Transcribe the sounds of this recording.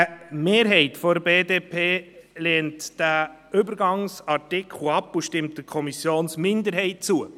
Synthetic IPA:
əmeːɾɦɛɪtfɔdəɾbeːdeːpʰeːlɛːntd̥æʏbəɾɡɑŋsɑɾtɪkχl̩ɑpuʃtɪmt̚dəkʰɔmisjoːnsmɪndəɾɦɛɪt̚t͡suə

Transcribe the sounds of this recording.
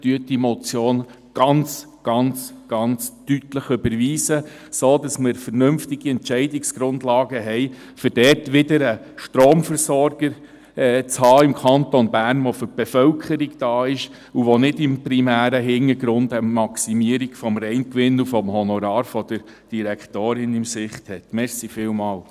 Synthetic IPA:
tyət̚dimɔt͡sjoːn | ɡ̥ɑnt͡s | ɡ̥ɑnt͡sɡ̥ɑnt͡stytləχʏbəɾʋiːsə | soːd̥ɑsmɪɾfəɾnʏmftɪɡ̥iɛntt͡ʃɛɪdɪksɡ̥ɾʊndlɑːɡəɦɛɪ | fʏd̥ɛtʋɪdəɾə | ʃtɾoːmfəɾsɔɾɡ̥əɾ | ɛːt͡shɑːɪmkʰɑntɔnbæːɾnʋɔfʏɾb̥ɛfœlkʰəɾiɡd̥ɑːɪʃ | uʋɔnɪdɪmpɾimæːɾəɦɪŋːəɾɡɾʊndəmɑksimiəɾiɡ̥fɔmɾɛɪnkʋɪnːufɔmhɔnɔɾɑːɾfɔd̥əɾ | d̥iɾɛktoːɾɪnɪmsɪχthɛtmɛɾsifɪːlmɑːl

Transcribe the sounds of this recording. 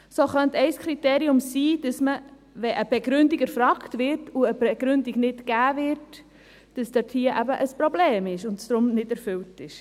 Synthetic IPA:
soːχœntɛɪskχɾiteːɾiʊmsiːd̥ɑsmə | ʋɛʔəb̥eɡɾʏndiɡæɾfɾɑːktvɪɾtuəbɛɡɾʏndiɡnɪtɡ̥æːvɪɾt | d̥əsd̥ɑthiːəʔæbəʔəspɾobleːmɪʃʊntsd̥̪ɾʊmnɪdɛɾfʏltɪʃ

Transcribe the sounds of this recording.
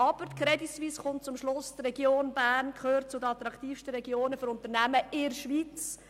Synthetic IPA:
ɑb̥əɾtkʰɾɛdisviːsχʊnt̚t͡sʊmʃlʊst̪rɛɡjoːnbæːɾnkʰχøːɾt̚t͡sʊdəɑt̪ɾɑktiːfʃtəɾɛɡjoːnəføɾʊnt̪əɾnæməɪɾʃʋiːt͡s

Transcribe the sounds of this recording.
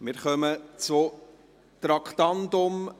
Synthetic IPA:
mɪɾχœmət͡sʊ | t̪ɾɑkʰt̪ɑndʊm

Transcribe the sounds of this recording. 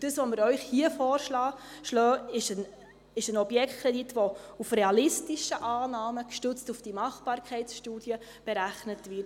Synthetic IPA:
d̥əsʋɔməɾœʏχhiəfɔːrʃlɑːʃlœːɪʃən | ɪʃənɔbjɛktkʰɾɛditʋoufɾeɑlɪstiʃəʔɑːnɑːməkʃtɵt͡stufd̥imɑχb̥ɑːɾkʰχɛɪsʃtuːd̥jə | b̥ɛɾæχnətvɪt

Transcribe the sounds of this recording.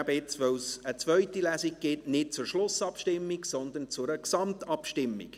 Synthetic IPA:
bəɪt͡sʋœwsət͡svœʏtilæːsɪɡ̚ɡ̥ɪtnɪt̚t͡sʊrʃlʊsɑpʃtɪmːiksɔnd̪ənt͡sʊɾəksɑmtɑpʃtɪmːɪ̰k

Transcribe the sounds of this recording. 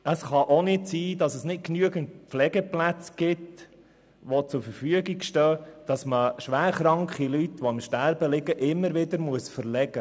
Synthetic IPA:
əsχɑʔonɪtsiːdɑsəsnɪt̚knyəɡəntpflɛɡəplæt͡sɡ̥ɪt̪ | ʋot͡sʊɾfəɾfyəɡiɡʃtœːd̥ɑsməʃʋæːɾχɾɑŋkχilytʋoɪmʃtæɾbəlɪɡəʔɪmːəɾʋɪd̪əɾmuəsfəɾlɛɡə

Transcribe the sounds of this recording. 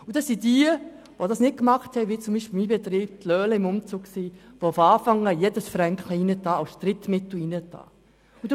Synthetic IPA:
udɑssidiə | ʋodɑsnɪt̚kmɑχthɛjʋit͡sʊmbiːʃpɪl̩miːbɛt̪ɾiːb̥̚t̪lœːləɪmʊmt͡suːɡ̥ksiːʋoʊfɑːfɑŋːəjedəsfɾɛŋkχləinətɑːsʃtɾɪtmɪtl̩inətɑ̰ː | ud

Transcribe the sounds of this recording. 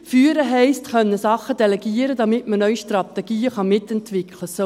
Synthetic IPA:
fyːəɾəɦɛɪstχœnːəsɑχəd̥ɛlɛɡiːəɾəd̪ɑmɪtmənœʏʃtrɑt̪ɛɡ̥iːəχɑmɪt̪ɛntʋɪkʰləso

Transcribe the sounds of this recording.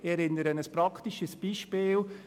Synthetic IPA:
ɛɾɪnːəɾənəspɾɑkʰt̪iʃəsb̥iːʃpiːl

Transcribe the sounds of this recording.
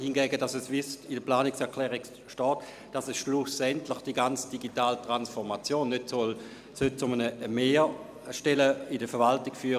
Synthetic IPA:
hinɡɛːɡədasɛsvɪstɪdəplaːnɪksɛɐkʰlɛːʁik | ʃtɔːt | d̥asɛsʃlusɛntlɪχd̥iɡant͡sd̥iɡitaːltʁansfɔɐmat͡sjoːnːøtsɔl | søt̚t͡sʊmənəmeː | ʃtɛləɪdəfɛɐvaltɪkfyːʁ

